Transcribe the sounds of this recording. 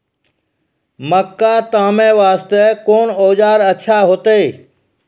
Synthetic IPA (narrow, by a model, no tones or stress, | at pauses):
məkːat̪aːmẽʋaːst̪ɛkoːnoːd͡ʒaːɾɐːʃʰaɦoːt̪eː